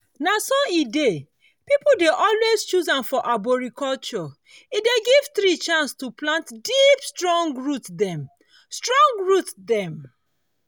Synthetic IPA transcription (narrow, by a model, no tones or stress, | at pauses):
nasɔide | pipodeʔɔlwest͡ʃuzãmfɔʔabɔɹikɔlt͡ʃɔ | ideɡiv̥θɹit͡ʃãnstuplãntdipstɹɔ̃ŋɡɹutdɛ̃m | stɹɔ̃ŋɡɹutdɛ̃m